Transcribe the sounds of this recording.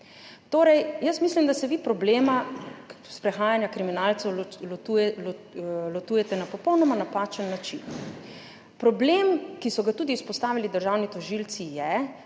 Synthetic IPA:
t̪oːɾɛjjəsmislimd̪asɛʋipɾɔbleːma | spɾɛxaːjanjakɾiminalt̪sɛwlullɔt̪uːjɛt̪ɛnapɔpɔwnɔmanapaːt͡ʃənːat͡ʃin | pɾɔbleːmkisɔɡat̪uːd̪iuspɔst̪aːʋilid̪əɾʒaːwnit̪ɔʒilt̪sijɛ

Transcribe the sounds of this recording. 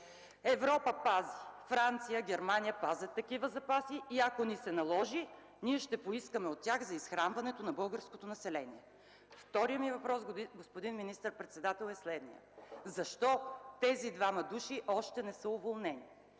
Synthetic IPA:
ɛvɾɔpəpazifɾant̪sijəɡʲɛɾmanijəpazət̪ːɐkivəzɐpasiʔːɐkonisɛnɐlˠɔʒi | niɛʃt̪ɛpoiskəmɛot̪ːʲjaxzɐisxɾanvɐnɛt̪onɐbɤlˠɡəɾskot̪onɐsɛlɛniɛ | ft̪ɔɾijəmivɐpɾɔsɡospod̪inminist̪əɾpɾɛt̪sɛd̪at̪ɛlˠɛslɛd̪nijə̰zɐʃt̪ɔt̪ɛzid̪vamɐd̪uʃiʔɔʃt̪ɛnɛsəʊvolˠnɛni

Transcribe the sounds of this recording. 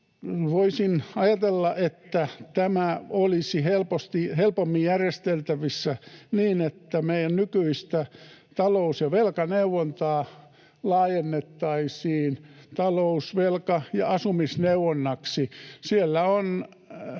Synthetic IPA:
ʋoisinɑjɑt̪elːɑʔet̪ːæt̪æmæolisihelpost̪ihelpomːijjærjest̪elt̪æʋisːæniːnet̪ːæmeijænnykyist̪æt̪ɑlousjɑʋelkɑneuwont̪ɑː | lɑːjenːet̪ːɑisiːnt̪ɑlousʋelkɑjɑɑsumisneuʋonːɑksisielːæon

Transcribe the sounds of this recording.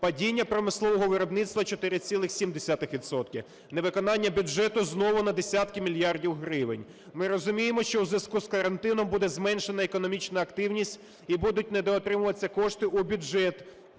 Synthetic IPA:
pɐdʲinʲːɐpɾɔmɪslˠɔʋɔɦɔʋɪɾɔbnɪt̪st̪ʋɐt͡ʃɔt̪ɪɾɪt͡sʲilˠɪxsʲimd̪esʲɑt̪ɪxʋʲid̪sɔt̪kʲiw | neʋɪkɔnɑnʲːɐbʲʊd͡ʒɛt̪ʊznɔʋʊnɐd̪esʲat̪kɪmʲilʲjɑrdʲiwɦɾɪʋɪ̰nʲ | mɪɾɔzʊmʲijemɔʃt͡ʃɔwzʋʲɐskuskɐɾɐnt̪ɪnɔmbud̪ɛzmɛnʃenɐekɔnɔmʲit͡ʃnɐɐkt̪ɪwnʲisʲtʲ | ibud̪ʊt̚ʲned̪ɔːt̪ɾɪmʊʋɐt͡sʲːɐkɔʃt̪ɪʔubʲʊd͡ʒɛt̪

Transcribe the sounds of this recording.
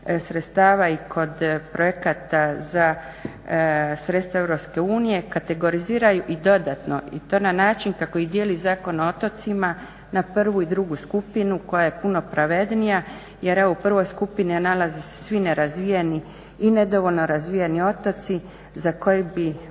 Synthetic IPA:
sɾet̪st̪aːʋaikʰo̞d̪pɾo̞jekat̪aza | sɾe̞t̪st̪ʋae̞ʋɾo̞pske̞uːnije̞kat̪e̞ɡo̞ɾiziːɾajuʔid̪o̞d̪at̪no̞ḭt̪o̞ːnanaːt͡ʃinkako̞id̪je̞lizaːko̞noot̪o̞t̪sima | naprʋuid̪ɾuɡuskupinuko̞jaje̞puno̞pɾʔaʋe̞d̪nija | je̞ɾe̞ʋoupr̩ʋo̞jskupinianalazese̥sʋine̞ɾazʋijeniː | ne̞d̪o̞ʋo̞lno̞ɾazʋijanio̞t̪o̞t̪si | zako̞jebi

